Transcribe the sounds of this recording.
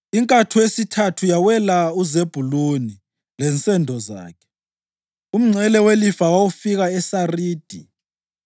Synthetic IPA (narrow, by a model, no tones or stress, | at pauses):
iŋkʼatʰuesitʰatʰujawɛlauzeb̥ʱuluni | lɛnt͡sʼɛndʱɔza̰ːkʰɛ̥ | um̩ŋ͡ǀʱɛlɛwelifawawufiɣaɛsariːd̥ʱḭ